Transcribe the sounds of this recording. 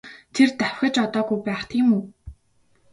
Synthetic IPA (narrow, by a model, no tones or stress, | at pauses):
t̪ʰert̪awʲxʲə̆t͡ɕɔt̪ɔːɡujpæːχt̪ʰiːmuː